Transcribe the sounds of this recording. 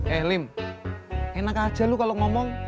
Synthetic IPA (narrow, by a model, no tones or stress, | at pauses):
ɛhlɪm | enakad̥ʒ̥a̤lukaloŋɔmɔŋ